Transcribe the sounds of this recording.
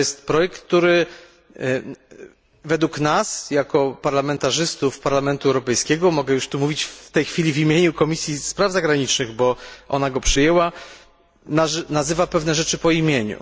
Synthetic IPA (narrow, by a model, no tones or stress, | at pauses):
jɛst̪pɾɔjɛk̚t̪t̪ːuɾɘ | vɛd̪wuknasjakɔpaɾlamɛnt̪aʐɘst̪ufpaɾlamɛnt̪uɛwɾɔpɛjskʲɛɡɔmɔɡɛjuʂt̪umuvʲit͡ɕft̪ɛjxfʲilʲivimʲjeɲukɔmʲisʲjispɾavzaɡɾaɲit͡ʂnɘɣbɔʔɔ̰naɡɔpʂɨjɛwa | nanazɘvapɛvnɛʐɛt͡ʂɘpɔimʲjeɲṵ